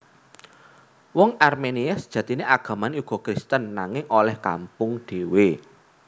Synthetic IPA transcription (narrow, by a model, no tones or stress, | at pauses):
wɔŋarmeniasd̥ʒ̥ä̤t̪ineʔaɡ̥ä̤maneuɡ̥ɔ̤kɾist̪ənːaŋɪŋʔolɛhka̰mpʊŋɖ̥e̤we